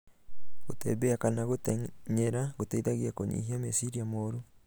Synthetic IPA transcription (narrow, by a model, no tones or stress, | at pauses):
ɣotḛbeakanaɣoteɲeɾaɣoteiðaɣjakoɲḭhiamesiɾiamoɾu